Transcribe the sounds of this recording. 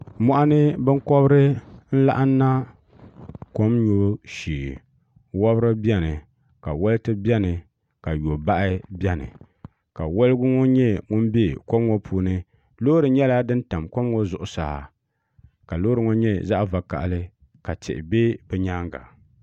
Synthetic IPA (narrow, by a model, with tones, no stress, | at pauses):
mɔ˦ʔa˦nɨ˦bɨ˦ŋ˦kɔ˦bɾɨ˦n̩˦la̰˦ʔa˦n˦na˦ | ko˦mɲo˨˦ʃiː˨ | wɔ˦bɾɨ˦bɛ˦nɨ˨ | ka˨wɛ˦lɨ˦tɨ˦bɛ˦nɨ˨ | ka˨jo˨ba˦ʔɪ˦bɛ˦nɨ̰˨ | ka˨wɔ˦lɡʊ˦ŋɔ˦ɲɛ˦ŋʊ˦n˦be˦ko˦mŋo˦pʰuː˨nɨ˦ | loː˦ɾɨ˨ɲɛ˦la˦dɨ˦n˦ta˨mko˦mŋo˦zʊ˨ʔʊ˨sa˨ha˨ | ka˨loː˦ɾɨ˦ŋɔ˦ɲɛ˦za˦ʔva˨ka̰˨ʔlɨ˦ | ka˨tɛ̰˨ʔɪ˨be˦bɛ˨ɲaː˦ŋɡa̰˨